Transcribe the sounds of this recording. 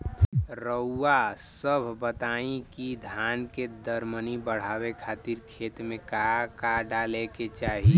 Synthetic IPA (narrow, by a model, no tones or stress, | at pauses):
ɾəuːasəbʱbət̪aːĩkid̪ʱaːnked̪əɾmənibəɽ̤aːwekʰaːt̪iɾkʰeːt̪mẽkakaɖaleket͡ʃaːɦi